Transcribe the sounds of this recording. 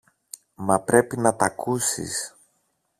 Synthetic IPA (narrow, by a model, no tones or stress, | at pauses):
mɐpɾe̞pinɐt̪ɐkusḭs